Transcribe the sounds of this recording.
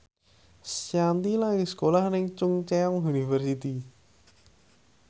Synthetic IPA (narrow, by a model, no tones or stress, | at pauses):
sjant̪ilakiskolahnɪŋt͡ʃʊŋt͡ʃɛɔŋunifərsit̪i